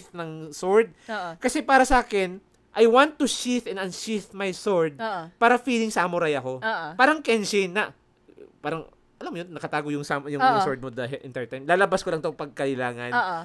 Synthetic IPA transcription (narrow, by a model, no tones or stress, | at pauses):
θnɐŋsoɹd̪̚kɐsɛpaːɾɐsɐʔaːkɪn | ʔɐjwãnt̪ːʊʃiθɛ̃nɐnʃiθmajsoɹd̪̚ʔpaːɾɐfiːlɪŋsamʊɾajɐko̞paːɾɐŋkɛnʃinːɐʔ | paːɾɐŋ | ʔɐlamjonːɐkɐt̪aːɡojʊŋsamjʊŋʊsoɹd̪̚mod̪ɐɦɛʔɪ̰nt̪ɛɹt̪ajmlaːlɐbaskolɐŋt̪opɐɡ̚kɐʔɪlaːŋɐnː